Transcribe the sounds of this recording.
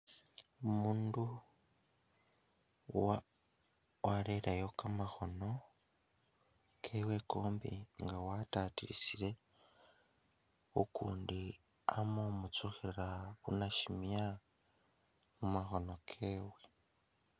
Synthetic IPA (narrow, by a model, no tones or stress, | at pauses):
omuːndu | wa | waɾeɾajokamaxo̞no̞ | kʰewekoːmbḭŋɡawatatiɾḭsiɾe̞ | okṵːndi | a̰momut͡suxiɾaβṵnaʃimja | mumaxo̞nokʰeːwe̞